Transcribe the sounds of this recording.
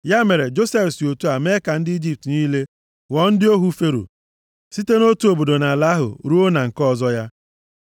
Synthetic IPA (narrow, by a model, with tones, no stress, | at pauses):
ja˦me˨ɾe˨d͡ʒo˦se˦fsi˨o˨tu˦a˨me˦ka˨n̩˦dɪ˦i˦d͡ʒi˦p̚tni˦le˦ | wɔ˨n̩˦dɪ˦o˦ɦu˦fe˦ɾo̰˨ | si˦te˦no˦tu˨˦o˨bo˨do˨na˨la˦ɦʊ̰˨ɾu˦o˦na˨ŋ̩˨kɔ˦˨zɔ˦ja˦